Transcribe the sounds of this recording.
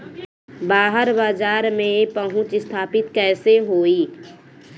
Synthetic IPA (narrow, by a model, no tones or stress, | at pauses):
baːɦəɾbaːd͡ʒaːɾmẽpəɦʊ̃t͡ʃɪst̪ʰaːpɪt̪kɛːseɦoːiː